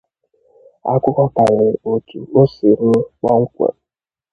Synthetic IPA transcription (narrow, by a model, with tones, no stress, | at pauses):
a̰˦kʷʊ˦kɔ˦ka˨ɾɪ˨o˨tṵ˨o˦si˨ɾ̩˦ŋɔ˦ŋ̩˦kʷḛ˨